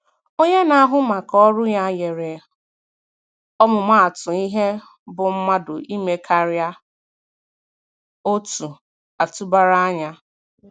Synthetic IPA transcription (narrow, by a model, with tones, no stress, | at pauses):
o˦ɲe˦na˦ɦʊ˦ma˨kɔ˦ɾʊ˦ja˦je˨ɾe˨ | ɔ˦mʊ˨ma˦˨a˨tʊ˨i˦ɦe˦ | bʊ˨m̩˦ma˦dʊ˨ʔi˦me˦kʰa˨ɾja˦ | o˦tu˨ | a˨tu˦ba˦ɾa˦a˦ɲa˦